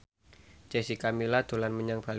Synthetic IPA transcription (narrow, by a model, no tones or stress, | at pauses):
t͡ʃesikamilad̪̥o̤lanməɲaŋb̥al